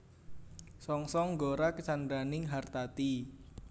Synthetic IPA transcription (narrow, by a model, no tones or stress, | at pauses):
sɔŋsɔŋɡoɾakət͡ʃand̪ɾanɪŋɦart̪at̪i